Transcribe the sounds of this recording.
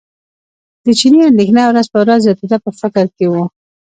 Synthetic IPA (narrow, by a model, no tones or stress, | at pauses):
d̪̥ət͡ʃiniand̪exnɑwɾazpəwɾazjɑt̪ed̪apəfɪkɾkewu